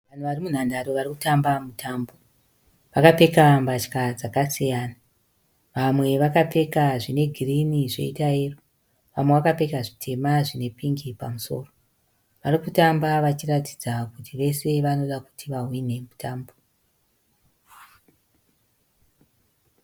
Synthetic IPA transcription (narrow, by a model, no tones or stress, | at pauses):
ʋan̤uʋarimun̤andaɾoʋariku̥tambamutʰaːmbo̞ | ʋakape̞kambat͡ʃkad͡zakasijaːna | ʋamwe̞ʋakape̞kaʐine̞ɡʱiriniʐe̞̰itaeːro | ʋamwe̞ʋakape̞kaʐitʰe̞maʐine̞piŋɡipa̰muso̞̰ːro̞ | ʋarikutambaʋat͡ʃirati̥d͡zakutiʋe̞se̞ʋano̞ɗaku̥tʰiʋaɦwine̞mutʰaːmbo